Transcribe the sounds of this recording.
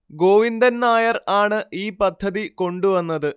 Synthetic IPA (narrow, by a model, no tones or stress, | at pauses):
ɡo̞ːʋind̪ɐnnaːjɐraːɳɨiːpɐd̪ʱːɐðiko̞ɳɖuʋɐnːɐðɨ